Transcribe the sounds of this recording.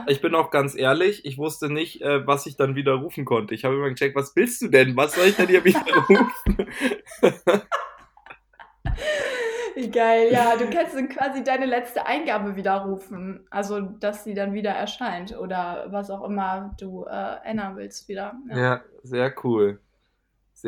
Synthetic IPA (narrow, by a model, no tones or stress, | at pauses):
ɪçb̥ɪnaʊxɡ̥ant͡sʔeːɐlɪçʔɪçv̥ʊstənɪçtʔɛːvasɪçd̥anviːdɐʁuːfn̩kʰɔntəɪçhaːbəɪmaɡət͡ʃɛk̚tv̥asv̥ɪlst̚d̥uːdɛnvasz̥ɔlɪçd̥ɛndiːɐviːdɐʁuːfn̩ | viːɡaɪljaːduːkanstd̥ɛnkv̥aːzidaɪnəlɛt͡stəʔa̰ɪnɡaːbəviːdɐʁuːfn̩ʔalzod̥asz̥iːdanviːdɐʔɛ̰ɐʃaɪntʔoːdɐvasaʊxʔɪmɐd̥uːʔɛ̰ːʔɛ̰nɐnvɪlstv̥iːdɐjajaːzeːɐkʰuːl | z̥